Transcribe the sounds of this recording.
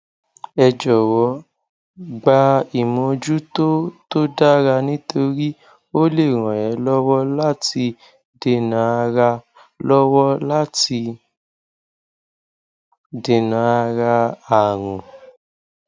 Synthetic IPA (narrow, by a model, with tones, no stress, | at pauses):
ɛ˧d͡ʒɔ˨wɔ˨˧˦ | ɡ͡ba˧i˨mɔ̃˧d͡ʒu˦to˦to˦da˦ɾa˧nĩ˦to˧ɾi˦ | o˦le˦˨ɾ̃ɔ̃˨jɛ˨˦lɔ˦wɔ˦la˦ti˧ | de˨nã˨a˧ɾa˧ | lɔ˦wɔ˦la˦ti˧ | de˨nã˨˦a˧ɾa˧a˨ɾ̃ũ˨